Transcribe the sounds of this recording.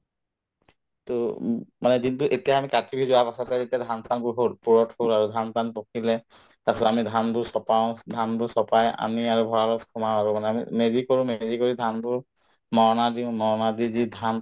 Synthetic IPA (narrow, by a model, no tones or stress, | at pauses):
tomanɛkintuʔetijaamikatibʱizʊwapasɔtɛetiadʱansanbʊɹɦolpuɹɔtholaɹudʱantanpokʰilɛ | tasɔamidʱanbʊsɔpaɔ̃dʱanbʊsɔpaja̰niaɹubʱɔɹalɔtkʰɔmaaɹɔmanɛamḭmeɹikoɹʊ̃meɹikoɹidʱanbʊɹ | mɔɹnadiʊ̃mɔɹnadizidʱan